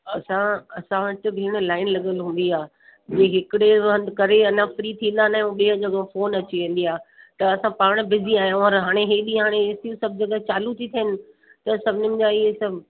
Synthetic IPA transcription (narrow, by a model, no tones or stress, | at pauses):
ɐsãɐsãʋɪt͡ɕɪ̆bʱiːɽ̃laːɪnlɐɠəlɦũːn̆d̪iaː | d͡ʑeːɦɪkɪɽeɐ̃nd̪kɐɾeɐnãfɾiːt̪ʰĩːnd̪anaɦũɓeːə̃d͡ʑɐɡfoːnɐt͡ɕiʋẽːn̆d̪iaː | t̪ɐɐsãpaːɽ̃bɪziaːijõɐɾɦaːɽ̃eɦeːɗĩɦaːɽ̃eɪsijũsɐb̚ʱd͡ʑɐɡət͡ɕaːlut̪ʰit̪ʰɐɪnɪ̆ | t̪ɐsɐbʱɪnɪmʊ̃ɲd͡ʑaiɦesɐbʱ